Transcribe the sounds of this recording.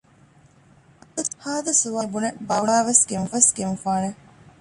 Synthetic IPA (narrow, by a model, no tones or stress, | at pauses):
ɐt̪ɐt̪haːd̪ɐsuʋabunebɐuaːʋeskemfɐsɡemfaːne